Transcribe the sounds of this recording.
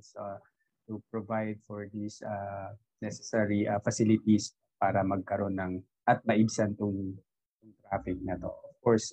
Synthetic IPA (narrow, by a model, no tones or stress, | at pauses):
sa | t̪upɹovajd̪̚fɔɹd̪isa | nɛsɛsɛɹiʔɐfɐsɪlɪt̪is | paːɾɐmɐɡ̚kɐɾo̞nːɐŋ | ʔɐt̪̚mɐʔɪbsɐnt̪ʊŋ | t̪ʊŋt̪ɾaːfɪk̚nɐt̪o̞̰ʔɔv̥kɔɹs